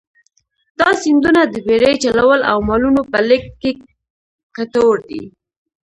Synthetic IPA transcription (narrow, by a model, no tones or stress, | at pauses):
d̪̥ɑsɪnd̪unad̪əbeɾəjt͡ʃalawəla̰wmɑlunopəlɪkːe | kat̪oɾd̪ḭ